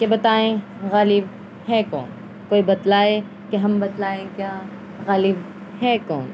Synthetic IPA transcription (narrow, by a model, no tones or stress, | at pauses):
kebɐt̪aːẽ | ɣaːlɪb | ɦɛkɔ̰ːn | koːibɐt̪laːe | keɦɐmbɐt̪laːẽkjaː | ɣaːlɪb | hɛːkɔːn